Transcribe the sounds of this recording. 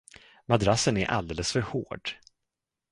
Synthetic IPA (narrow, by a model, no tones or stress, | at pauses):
mad̪ɾasənæɾʔa̰ld̪eːləsfœɾhoːɖ̥